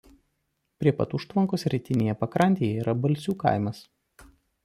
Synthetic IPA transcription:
pʲɾʲiɛpɐ̰t̪ʊʃt̪ʋɐŋkoːsɾʲɪt̪ʲɪnʲeːjɛpɐkɾɐnʲt̪ʲeːjɛiːɾʔɐbɐlʲsʲuːkɐ̰ɪmɐs

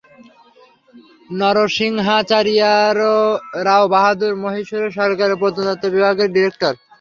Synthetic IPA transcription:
nɔɾoʃiŋɦat͡ɕaɾijaɾoɾaobaɦad̪uɾmoɦiʃoɾeʃɔɾkaɾipod̪od̪at̪ːobibʱaɡeɾɖiɾek̚ʈoɾ

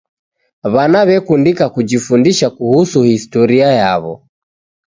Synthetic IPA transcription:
βanaβɛkundikakud͡ʒifundiʃakuhusuhistɔɾiaja̰βɔ̰

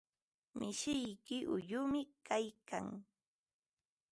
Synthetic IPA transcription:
mɪʃɪjkɪʔʊʎʊmɪkajka̰ŋ

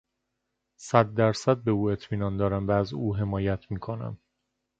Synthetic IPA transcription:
sæd̪ːæɾsæd̪̚be̞uːe̞t̪ʰmiːnɒːnd̪ɒːɾæmvæːzuːɦe̞mɒːjæt̪ʰmiːkʰo̞næ̰m

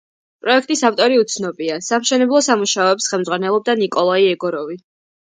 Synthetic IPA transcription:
pʼɾɔɛkʰt̪ʼisaft̪ʼɔɾiut̪sʰnɔbiasamʃɛnɛblˠɔsamuʃaɔɛpsχɛlˠmd̪zʁwanɛlˠɔb̚d̪anikʼɔlˠaiɛɡɔɾɔvi

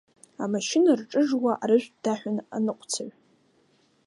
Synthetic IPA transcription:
amaʃɪnarʈ͡ʂʼɨʐwaʔaɾɨʒᶣʷdaħʷᶣana̰nɨqʷʼt͡sʰaʕʷ

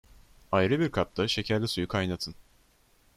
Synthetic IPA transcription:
ajɾɯbiɾkʰap̚t̪ʰaʃe̞cʰæɾlʲɛsujukʰajnat̪ʰɯn

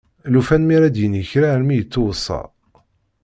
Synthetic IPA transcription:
lufænmiɾæd̪jənəçɾaɾmijət͡sːowəsˤːɑ̰

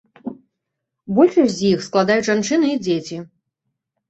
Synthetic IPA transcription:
bɔlʲʂɐsʲzʲjixsklˠad̪ajut͡sʐant͡ʂɨnɨid͡zʲet͡sʲi

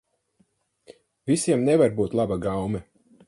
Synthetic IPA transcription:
visiɛmnɛvaɾbuːt̪lˠabaɡawmɛ

